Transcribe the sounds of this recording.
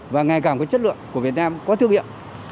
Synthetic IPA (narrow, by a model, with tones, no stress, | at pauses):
vaː˨˩ŋa˨˩jkaː˧˩mkɔ˨˦t͡ɕə˦˥t̚lɨ̰˧˨əŋku˧˩əvi˨˩ət̚naː˧mkɔ˨˦t̪ʰɨ˧əŋhḭ˧˨m